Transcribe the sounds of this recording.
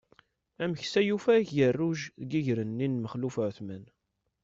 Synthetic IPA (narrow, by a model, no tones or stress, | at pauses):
æməçsæjufæçjərːuʒðɡiʝɾənːinməχlufəʕθmæn